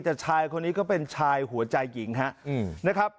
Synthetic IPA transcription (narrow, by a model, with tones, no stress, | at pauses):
t̪ɛ˨˩t͡ɕʰaː˧jkʰo˧nːiː˦˥kɔː˥˩pe˧nt͡ɕʰaː˧jɦu˩˦ɐt͡ɕa˧jːi˩˦ŋɦa˦˥ʔna˦˥kʰa˦˥p̚